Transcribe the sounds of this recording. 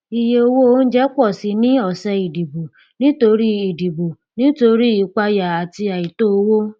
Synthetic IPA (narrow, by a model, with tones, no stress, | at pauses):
i˨je˧o˧wo˦o˦n̩˦d͡ʒɛ˦k͡pɔ˦˨si˨˧˦nĩ˦ɔ˦˨sɛ˧i˨di˨bo˨ | nĩ˦to˧ɾi˦i˨di˨bo˨ | nĩ˦to˧ɾi˦i˨k͡pa˧ja˨a˨ti˧a˨i˨to˦o˧wo˦